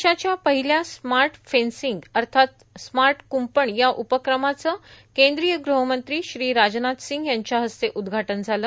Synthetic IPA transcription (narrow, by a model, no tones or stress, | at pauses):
ɕat͡ɕjapəɦiljasmaɾʈfensiŋɡəɾt̪ʰat̪ | smaɾʈkumpəɳjaʔupəkɾəmat͡səːkẽnd̪ɾijəɡɾuɦəmənt̪ɾiːɕɾiːɾad͡ʑnat̪siŋɡjaɲt͡ɕjaɦəst̪eʔud̪ɡʱaʈənd͡zʱalə